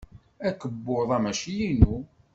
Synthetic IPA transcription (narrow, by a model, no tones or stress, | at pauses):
ækːəbːoðˤæmæʃijinu